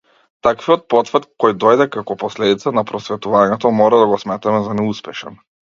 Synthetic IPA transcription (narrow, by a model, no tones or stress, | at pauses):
t̪akviɔt̪̚pɔt̪frt̪kɔjd̪ɔjd̪ɛkakɔpɔslɛd̪it̪sanapɾɔsvɛt̪uvaɲɛt̪ɔmɔɾad̪aɡɔsmɛt̪amɛzanɛuspɛʃɛ̰n